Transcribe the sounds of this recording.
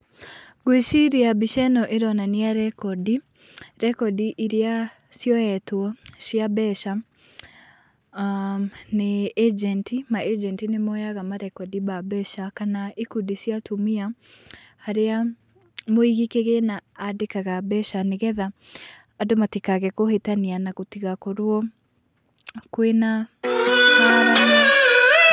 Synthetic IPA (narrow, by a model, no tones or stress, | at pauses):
ɡwiʃiɾiabiʃɛnɔʔeɾɔnaneaɾɛkɔdi | ɾɛkɔdiʔiɾea | sjɔɛtwɔsiabɛʃa | neːd͡ʒɛntimaʔed͡ʒɛntinemɔjaɣamaɾɛkɔdibabɛʃakanaikudisiatʰumia | haɾea | moiɣikeɣenaːdekaɣabɛʃaneɣɛðaː | domatikaɣɛkohetanianaɣotiɣakoɾwɔ | kwena